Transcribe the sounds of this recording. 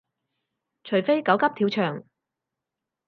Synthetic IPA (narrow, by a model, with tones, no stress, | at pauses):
t͡ʃʰɵ˨˩ɥfe˥jkɐ˨˥wkɐ˥p̚t̪ʰiː˨˥wt͡ʃʰœː˨˩ŋ